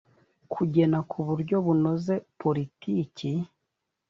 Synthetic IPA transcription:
kʰuɟe̞nakʰuβuɾɟo̞βuno̞ze̞poɾitiːci

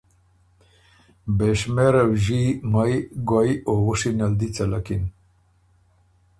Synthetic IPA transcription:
beʃmeɾɐwʒimajɡwajowuʂinɐld̪it͡sɐlakin

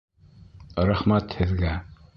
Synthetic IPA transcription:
ɾæχmæt̪hɘ̆ðɡæ

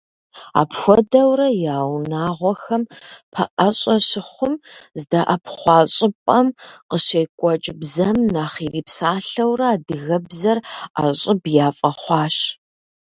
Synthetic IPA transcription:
a̰ːpxʷɔdɐwrɐjaːwnaːʁʷɔxɐmpʰɐ̰ʔɐɕʼɐɕɪχʷʊmzdaʔɐpχʷɑːɕʼɪpʼɐmqəɕeːkʷʼɔt͡ʃʼɪbzɐmnaːχiriːpsaːɬɐwrɐaːdɨɣɐbzɐra̰ːɕʼɪbjaːfʼɐχʷɑːɕ

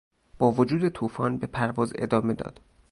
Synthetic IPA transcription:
b̥ɒːvod͡ʒuːd̪e̞t̪ʰuːfɒːnbe̞pʰæɾvɒːze̞̰d̪ɒːme̞d̪ɒ̰ːd̪̥

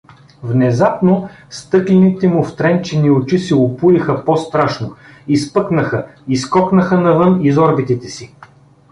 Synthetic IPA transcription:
vnɛzapno | st̪ɤklɛnit̪ɛmʊft̪ɾɛnt͡ʃɛniot͡ʃisɛʊpujixəpɔst̪ɾaʃno | ispɤknəxəiskɔknəxənɐvɤnizɔɾbit̪it̪ɛsi

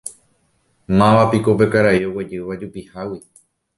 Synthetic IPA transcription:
mãʋapiko̞p̬e̞kaɾaio̞wed͡ʒɨʋad͡ʒupihawi

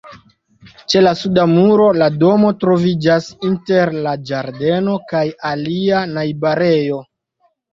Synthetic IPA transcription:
t͡ʃe̞lasudamuɾo̞lado̞mo̞tɾo̞vid͡ʒasinte̞ɾlad͡ʒaɾde̞no̞kajalianajbaɾe̞jo̞

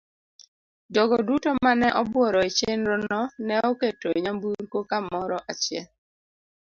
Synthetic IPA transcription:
dɔɡodutomanɛʔɔbwɔɾɔet͡ʃenɾɔnɔnɛoketoɲambuɾkokamɔɾɔʔat͡ʃɪɛl

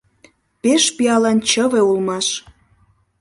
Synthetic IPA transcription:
peʃpiɑlɑnt͡ɕəβeulmɑʃ

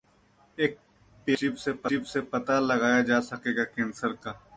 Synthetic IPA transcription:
eːk̚ | peːʃibsepɐibsepɐt̪alɐɡaːjad͡ʒaːsɐkeːɡakɪnsəɾkaː

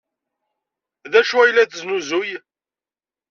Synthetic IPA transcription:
ðæʃuæjlːæθznuzuj

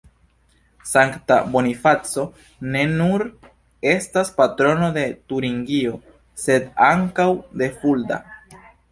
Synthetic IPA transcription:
saŋktabo̞nifat͡so̞ | ne̞nuɾ | e̞staspatɾo̞no̞de̞tuɾiŋɡio̞ | se̞daŋkawde̞fulda̰

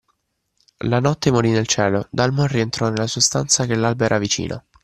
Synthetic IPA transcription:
lanɔt̪ːemoɾinelt͡ʃɛːlod̪almorient̪ɾɔnelːasuuast̪ant̪sak̟elːalbɛɾavit͡ʃḭːnʔo̰

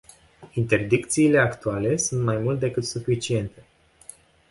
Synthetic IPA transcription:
int̪e̞rd̪ikt̪siːle̞akt̪uale̞sunt̪majmult̪ed̪e̞kɨt̪sufit͡ʃie̞nt̪e̞

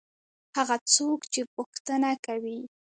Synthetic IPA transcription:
haɣat͡sokt͡ʃepʊxt̪ənakawi

